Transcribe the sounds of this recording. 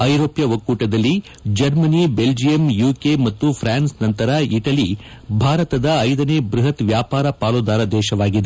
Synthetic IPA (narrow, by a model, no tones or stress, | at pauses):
ɐjɾoːpjɐʋɐkːuːʈɐd̪ɐlːi | d͡ʒɐɾmɐnibeld͡ʒijɐmjuːkemɐt̪ːupʰɾaːnsnɐnt̪ɐɾɐiʈɐli | bʱaːɾɐt̪ɐd̪ɐːjd̪ɐneːbɾuɦɐt̪ʋjaːpaːɾɐpaːlud̪aːɾɐd̪ɛːʃɐʋaːɡid̪e